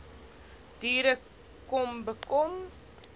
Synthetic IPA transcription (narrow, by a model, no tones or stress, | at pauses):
d̥iːɾə | kɔmbəkɔm